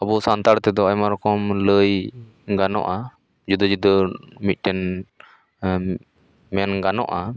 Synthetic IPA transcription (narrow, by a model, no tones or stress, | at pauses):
ɔbusant̪aɽt̪ɛd̪ɔajmaɾɔkɔmləj | ɡanɔ̰ʔa | d͡ʒud̪ɔd͡ʒud̪əmit̪̚ˀʈɛn | mɛnɡanɔ̰ʔa